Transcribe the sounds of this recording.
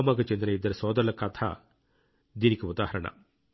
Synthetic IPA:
maːɡɐt͡ʃend̪ɐnɐid̪ːɐɾɐsɔːd̪ɐɾɭɐkɐt̪ʰa̰ | d̪inikeud̪aːhɐɾɐɳɐ̰

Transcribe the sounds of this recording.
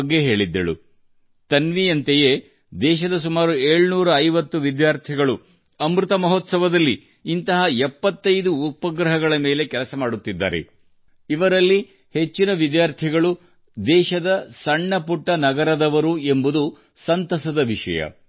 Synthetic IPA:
ɡːeɦe̞ːɭid̪ːɐ̰ɭṵ | t̪ɐnʋijɐnt̪eje | d̪ɛːʃ̬ɐd̪ɐs̬umaːɾue̞ːɭnuːɾɐːjʋɐt̪ːuʋid̪jaːɾt̪ʰiɡɐɭu | ɐmɾut̪ɐmɐɦoːt̪sɐʋɐd̪ɐlːiː | nt̪ɐɦɐɛpːɐt̪ːɐjd̪uːpɐɡɾɐɦɐɡɐɭɐmeːle̞kɛlɐsɐmaːɽut̪ːid̪ːa̰ːɾḛ | iʋɐɾɐlːi | he̞t͡ʃːinɐʋid̪jaːɾt̪ʰiɡɐɭu | d̪ɛːʃɐd̪ɐsɐɳːɐpuʈːɐnɐɡɐɾɐd̪ɐʋɐɾue̞mbud̪u | sɐnt̪ɐsɐd̪ɐʋiʂɐ̰jɐ̰

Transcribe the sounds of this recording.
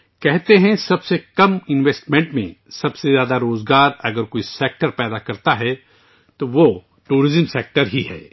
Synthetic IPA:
kɛɦt̪eɦɛ̃sɐbsekɐmɪ̃nʋeːsʈmẽɳʈmḛ̃sɐbsezjaːd̪aɾoːzɡaːɾɐɡəɾkoːiseːk̚ʈəɾpɛːd̪akɐɾt̪aɦɛ | t̪oʋo | ʈuːɾɪzəmseːk̚ʈəɾɦiɦɛ̰ː

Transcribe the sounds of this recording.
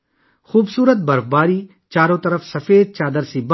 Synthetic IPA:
xuːbsuːɾət̪̚bɐɾfbaːɾiː | t͡ʃaːɾõːt̪ɐɾəfsɐfeːd̪̚t͡ʃaːd̪əɾsib

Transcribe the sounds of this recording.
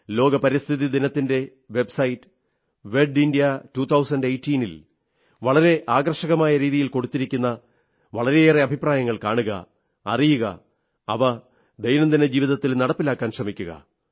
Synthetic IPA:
lo̞ːɡɐpɐɾist̪ʰiðid̪inɐt̪ːinde̞ | ʋe̞bsɐjitːɨ̥ | ʋe̞ɖindijɐtuːt̪ʰːɐwsɐndejtːiːnil | ʋɐɭɐɾe̞ʔaːɡɐrʂɐɣɐmaːjɐɾiːðijilko̞ɽut̪ːiɾikʲːunːɐ | ʋɐɭɐɾe̞eːreɐbʱipraːjɐŋːɐɭkaːɳuɣɐ̰ | ɐ̰rijuɣɐ̰ | ɐ̰ʋɐ | d̪ejnɐmd̪ined͡ʑiːʋiðɐt̪ːilnɐɽɐpːilaːkːaːnɕrɐmikʲːuɣɐ̰

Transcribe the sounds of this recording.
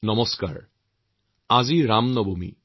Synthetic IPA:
nɔmɔska̰ɹ | aziɹamnɔbomḭ

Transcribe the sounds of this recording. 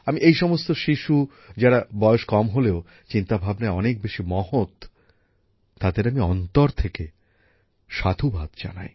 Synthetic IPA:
amiʔejʃɔmost̪oʃiʃu | d͡ʑaɽabɔeoʃkɔmɦoleo | t͡ɕint̪abʱabnaeɔnek̚beʃimɔhot̪ | ad̪eɾamiɔnt̪oɾt̪ʰeke | ʃad̪ʰʱubʱad̪d͡ʑa̰na̰j

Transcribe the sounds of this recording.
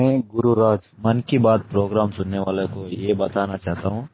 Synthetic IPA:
ɛ̃ɡʊɾuɾaːd͡ʒ | mɐnkibaːd̪̚pɾoːɡɾaːmsʊnːeʋaːlõkojebɐt̪anat͡ʃaːɦt̪aɦũː

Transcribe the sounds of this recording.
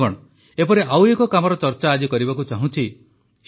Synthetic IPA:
ɔɽ̃ɔ | epɔɾeʔawekɔkamɔɾɔt͡ʃɔɾt͡ʃaːd͡ʒikɔɾibakut͡ʃaɦũt͡ʃʰi

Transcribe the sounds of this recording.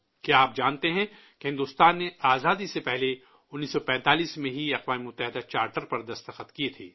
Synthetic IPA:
keaːp̚d͡ʒaːnt̪eɦɛ̃ | keɦɪ̃nd̪uːst̪aːnːeaːzaːd̪isepɛɦle | ʊnːiːsːɔpɛ̃ːnt̪aːliːsmẽɦiɐqwaːmemʊt̪ːəɦɪd̪at͡ʃaːɾʈəɾpɐɾd̪ɐst̪əxət̪kiet̪ʰḛː

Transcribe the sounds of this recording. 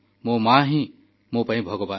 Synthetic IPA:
moːmãːɦĩ | mõːpɐɦĩbʱəɡoʋaː

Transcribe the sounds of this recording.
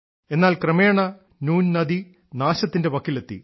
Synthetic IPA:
e̞nːaːlkrɐme̞ːɳɐ | nuːnnɐd̪i | naːɕɐt̪ːinde̞ʋɐkːilɐt̪ːḭ

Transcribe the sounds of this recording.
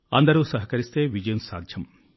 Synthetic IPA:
ɐnd̪ɐɾusɐɦɐkɐɾist̪eʋid͡ʒɐjunsa̰ːɡʱjɐm

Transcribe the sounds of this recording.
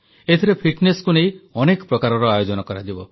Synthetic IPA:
et̪ʰiɾepʰiʈneskunej̃ɔnekɔ̥pɾɔkaɾɔɾɔajod͡ʒɔnɔkɔɾad͡ʒibɔ

